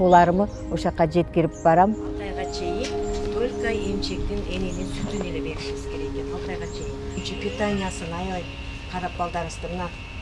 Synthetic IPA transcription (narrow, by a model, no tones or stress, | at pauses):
olˠɑɾəmə | oʃɑqːɑd͡ʒe̞t̪kʲɪɾɪp̚bɑɾɑmɑlˠt̪ɑjʁɑt͡ʃʰe̞jɪnbølʲkaje̞mʃe̞k̚t̪ɪnenenent̪ʰyt̪yneɾʲɪbe̞ɾɪʃɪmɪsɪ̥kʰʲe̞ɾekʲenɑlˠt̪ɑjʁɑt͡ʃʰe̞jɪnnt͡ʃɪpʲit̪anʲijasənɑjlˠɑj | qʰɑɾɑq̚bɑlˠd̪ɑɾəst̪əmənɑ